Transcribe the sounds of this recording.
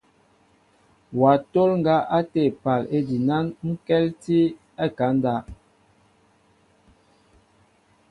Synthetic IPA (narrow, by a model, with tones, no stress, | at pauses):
wa˨to˦lŋ˦ɡa˦ʔa˦te˦˨pa˨le˦di˨na˦nŋ̩˦kɛ˦lti˦ | a˦˨ka˨˦n˦da˦˨